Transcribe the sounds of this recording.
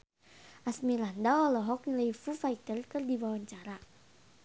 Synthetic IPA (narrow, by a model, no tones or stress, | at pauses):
ʔasmilandaɔlɔɦɔk̚niləjfufait̪ərkɨrdiwawaɲt͡ʃaɾa